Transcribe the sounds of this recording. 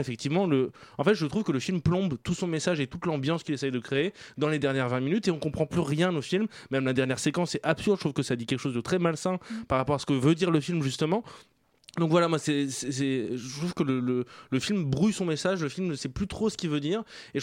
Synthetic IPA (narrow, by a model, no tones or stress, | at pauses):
efɛk̚t̪ivmɑ̃ləɑ̃fɛt̪ʒət̪χuvkələfilmplɔ̃bt̪usɔ̃mesaʒet̪ut̪lɑ̃bjɑ̃skʲilesɛjd̪əkχeed̪ɑ̃led̪ɛʁnjɛʁvɛ̃minyt̪eɔ̃kɔ̃pχɑ̃plyʁjɛ̃nofilmmːɛmlad̪ɛʁnjɛʁsekɑ̃sɛt̪apsyʁd̪ʃt̪χuvkəsad̪ikʲɛlkə̥ʃozd̪ət̪χɛmalsɛ̃paʁapɔʁasə̥kəvød̪iʁləfilmʒyst̪əmɑ̃ | d̪ɔ̃kvwalamwasɛsɛsɛʒəət̪χuv̥kələlələfilmbʁujsɔ̃mesaʒləfilmnəsɛplyt̪χosə̥kʲivød̪iːʁe